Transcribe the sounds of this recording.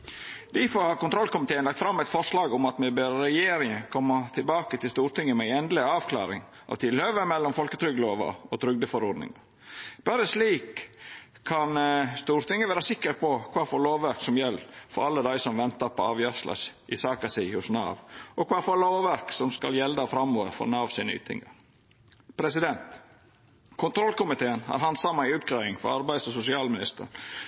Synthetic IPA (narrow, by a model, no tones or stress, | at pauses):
d̪̥ɪfɔɾhɑːɾkʊnt̪ɾɔlkʊmɪt̪eːənlɑkt̪fɾɑmːæɪt̪fɔʂlɑːɡʊmɑt̪mɛbøːɾɾɛjeːɾɪŋəkʰɔmːɑt̪ʰɪlbɑːkət̪ʰɪlst̪uːɾt̪ɪŋːəmɛæɪɛnd̪lɪɑːʋkʰlɑ̰ːɾɪ̰ŋ | ʔɑ̰ʋt̪ʰɪlhœʋəmɛlːɔmfɔlkət̪ʰɾʏɡloːʋɑ̰ɔt̪ʰɾʏɡ̚d̪əfɔɾɔd̪nɪ̰ŋɑ̰ɾ | b̥æːɾəsliːkʰː | ɑnst̪uːɾt̪ʰɪŋːəʋæːɾəsɪkːəɾpʰɔkʰʋɑːfoːloːʋʋæɾksɔmjɛlːfɔɾɑlːəd̪æɪsɔmʋɛnt̪əɾpʰɔɑːʋjɑslɑ̰sʔɪsɑːkɑsɪhʊsnɑ̰ːʋɔkʰʋɑːfɔloːʋæɾksɔmskɑljɛld̪əɑfɾɑmːoːʋəfɔ̰ɾnɑɑʋsiːny̰t̪ʰɪ̰ŋːə̰ɾ | pʰɾɛsɪd̪ɛnt̪ | kʰʊnt̪ʰɾɔlkʊmɪt̪ʰeːənhɑ̰ɾɦɑnd̪sɑmːɑɪʉːt̪̚kʰɾɑːɪŋfɔ̰ɾɑɾbæɪd̪sɔsʊsɪɑːlmɪnɪst̪ə̰n